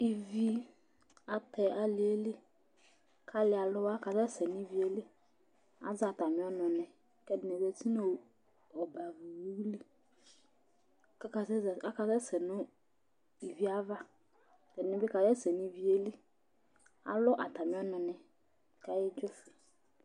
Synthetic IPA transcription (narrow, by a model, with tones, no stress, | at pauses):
i˨vi˦ | a˨tɛ˨a˨lɪ˨e˦li˦ | kʰa˦lɪ˨˦a˨lʊ˦wa˦ka˨zɛ˦sɛ˨ni˨vi˨˦e˦li˦ | a̰˨˦za˨ta˨mɪ̃˨˦ɔ˦nɔ̃˨nɛ˨ | kɛ˦dɪ˨nɛ˨bɛ˨ti˦no˦˨ | ɔ˨ba˨vi˨wu˦wli˦ | ka˦ka˨˦˨a˦ka˨zɛ˦sɛ˨nʊ̃˦ | i˨vi˦a˦va˦ | tɛ˨nʊ̃˦bɪ˦ka˨jɛ˦sɛ˨ni˨vi˦e˦li˦ | a̰˨lʊ˦ʔa˨ta˨mɪ̃˨˦ɔ˦nɔ̃˨nɛ˨ | ka˨jɛ˦d͡ʒɔ˦fɛ˨